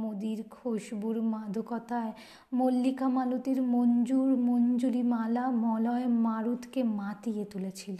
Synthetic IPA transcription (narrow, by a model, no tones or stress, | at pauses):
mod̪iɾkʰoʃbuɾmad̪ʱokɔt̪ae | molːikamalut̪iɾmond͡ʑuɾmond͡ʑulimalamɔlɔemaɾut̪kemat̪ijet̪ulet͡ɕʰile